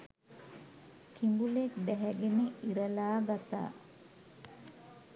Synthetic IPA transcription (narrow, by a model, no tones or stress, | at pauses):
kimbulekɖɛɦɛɡeneʔiɾɐlaːɡat̪a̰ː